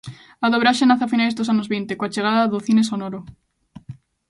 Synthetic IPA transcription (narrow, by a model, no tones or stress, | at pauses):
aðoβɾaʃenaθafinajzðos̬anozβint̪ekoat͡ʃeɣ̞aðaðoθinesonoɾo